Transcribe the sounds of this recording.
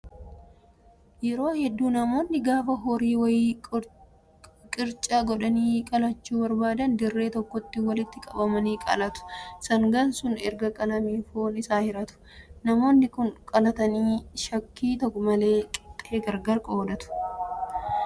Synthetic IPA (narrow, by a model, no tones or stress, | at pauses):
jɛɾo̞ːhɛd̪ːuːnɐmo̞ːnːɪɡaːfɐɦɔɾiːwɐjiː | kʼɪɾt͡ʃʼaːɡɔᶑɐniːkʼɐlɐt͡ʃːuːbɐɾbaːd̪ɐnd̪ɪrːe̞ːt̪ɔkːɔt̪ːɪwɐlɪt̪ːɪkʼɐbɐmɐniːkʼɐ̰lɐt̪ʊ̥sɐŋɡɐnsʊnɛɾɡɐkʼɐlɐmiːfoːnɪsaːhɪɾɐt̪ʊ̥ | nɐmo̞ːnːɪkʊnkʼɐlɐt̪ɐniːʃɐkːiːt̪ɔkːʊmɐle̞ːkʼɪ̥t̪ʼːeːɡɐɾɡɐɾkʼoːd̪ɐt̪ʊ̥